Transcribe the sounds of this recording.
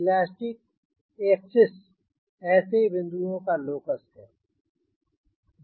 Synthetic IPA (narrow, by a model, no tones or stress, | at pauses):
laːsʈɪk̚ | eːksɪs | ɛːsebɪ̃nd̪uõkaloːkəsɦɛ̰ː